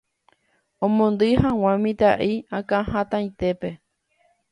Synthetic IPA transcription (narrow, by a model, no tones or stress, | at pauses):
õmõnd̪ɨhãw̃ãmĩt̪a̰ʔiãkãhãt̪ãj̃t̪e̞pe̞